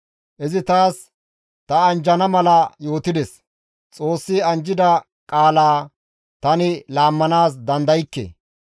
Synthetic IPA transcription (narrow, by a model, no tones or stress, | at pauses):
ʔɪzɪt̪aːs | t̪ɐɐnd͡ʒɐnɐmɐlɐjo̞ːt̪ɪd̪ɛs | t͡sʼo̞ːsːɪɐnd͡ʒɪd̪ɐ | kʼaːlaː | t̪ɐnɪlaːmːɐnaːsd̪ɐnd̪ɐjɪkːḛ